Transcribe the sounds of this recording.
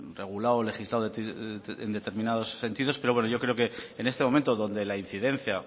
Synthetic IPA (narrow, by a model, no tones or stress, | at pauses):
re̞ɣ̞ulawle̞xizlawt̪ḛnd̪e̞t̪e̞ɾmĩnaðo̞sːe̞nt̪iðo̞spe̞ɾowe̞noʝo̞kɾe̞oke̞ːne̞st̪e̞mo̞mẽnt̪oðo̞nd̪e̞lain̟θiðẽ̞n̟θja